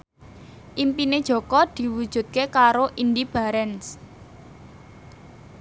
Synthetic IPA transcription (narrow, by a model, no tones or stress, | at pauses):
ʔimpined̥ʒ̥ɔ̤kɔd̪̥i̤wud̥ʒ̥ṳt̪̚kekaɾoʔindib̥a̤ɾɛns